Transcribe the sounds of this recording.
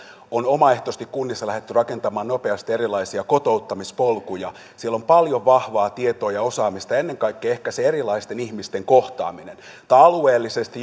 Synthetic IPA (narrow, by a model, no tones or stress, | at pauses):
onomɑeht̪ost̪ikkunːisːɑlæhet̪ːyrɑkent̪ɑmɑːnnopeɑst̪ieɾilˑɑisiɑkot̪out̪ːɑmispolkujɑ | sielompɑljoʋʋɑhʋɑːt̪iet̪oːjɑosɑːmist̪ɑenːeŋkɑikːeehkæseerilɑist̪enihmist̪eŋkoht̪ɑ̰ːminen | t̪ɑlweːlːisest̪i